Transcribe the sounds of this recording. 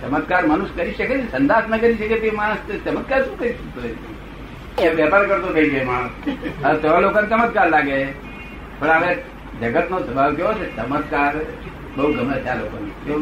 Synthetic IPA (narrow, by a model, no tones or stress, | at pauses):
t͡ʃəmət̪kaɾməñuskəɾiʃəket͡ʃesə̃nd̪asnəkəɾiʃəket̪emãst̪t͡ʃəmət̪̚kaɾʃũːkəɾiʃək̚t̪oe | ẽʋjapaɾkəɾt̪okəikemaɽ̃ũsət̪eʋalokanet͡ʃəmət̪kaɾlaɡe | pəɳaʋẽ | d͡ʒəɡət̪nosəbʱaʋt̪ʰijot͡ʃʰet͡ʃəmət̪kaɾ | bəɦuɡʱəmnət̪ʰjalokonet̪e